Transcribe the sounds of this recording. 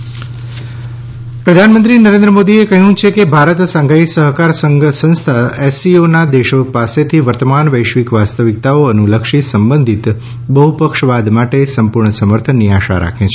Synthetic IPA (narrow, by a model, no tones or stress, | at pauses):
pɾəd̪ʱanmə̃nt̪ɾinəɾẽnd̪ɾəmod̪iekəɦũt͡ʃʰekebʱaɾət̪sãŋɡʱaisəɦkaɾsəsə̃ñst̪ʰaɛsionad̪eʃopaset̪ʰiʋəɾt̪əmanʋəjʃʋikʋast̪əʋik̚t̪aoənuləkʃisəmbənd̪ʱit̪ | bəɦupəkʃʋad̪maʈesəmpuɾɳəsəməɾt̪ʰənːiaʃa̰ɾa̰kʰẽt͡ʃʰe